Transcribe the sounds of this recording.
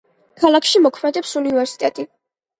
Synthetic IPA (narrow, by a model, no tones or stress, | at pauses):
kʰalˠakʰʃimɔkʰmɛd̪ɛpsunivɛɾsi̥t̪ʼɛt̪ʼi